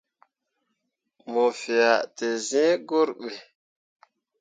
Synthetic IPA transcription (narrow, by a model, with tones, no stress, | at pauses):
mo˨fe˨a˨te˨zɛ̃˦ɡo˦ɾɓe˨